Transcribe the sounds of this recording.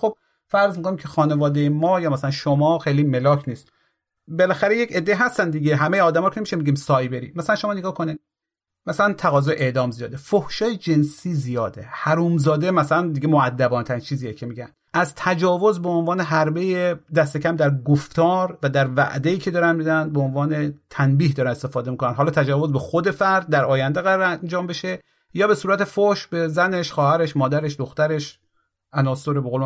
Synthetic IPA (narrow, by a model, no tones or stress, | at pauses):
xob̚ | fæɾzmikʰoniːmcʰexɒːne̞vɒːd̪ejemɒːjɒːmæsælænʃomɒːxejliːme̞lɒːkʰniːst̪ | belæxæɾejece̞d̪ːe̞iːɦæst̪ænd̪iɡeɦæmejeɒːd̪æmɒɾkʰeemiʃemiɟiːmsɒːjbe̞ɾiːmæsælænʃo̞mɒːneɡɒːkʰonid̪ | mæsælænt̪ʰæɣɒːzɒːjeʔeʔd̪ɒːmzijɒːd̪efohʃɒːjed͡ʒe̞nsiːzijɒːd̪ehæɾuːmzɒːd̪emæsælænd̪iɡemoæd̪ːæbɒːnt̪ʰæɾint͡ʃʰiːziːjecʰemiɟæn | ʔæzt̪ʰæd͡ʒɒːvo̞zbeonvɒːneɦæɾbe̞jed̪æst̪e̞cʰæmd̪æɾɡoft̪ɒːɾvæd̪æɾvæ̰ʔd̪eiːcʰe̞d̪ɒːɾænmid̪ænbeonvɒːne̞t̪ʰænbiːhd̪ɒːɾænest̪e̞fɒːd̪emikʰonænɦɒːlɒːt̪ʰæd͡ʒɒːvo̞zbexod̪e̞fæɾd̪̚ːæɾɒːjænd̪eɣæɾɒːɾænd͡ʒɒːmbeʃe | jɒːbe̞suːɾæt̪ʰe̞fohʃbezæne̞ʃxɒːhæɾeʃmɒːd̪æɾeʃd̪oxt̪æɾe̞ʃ | ʔænɒːsoɾebeɣol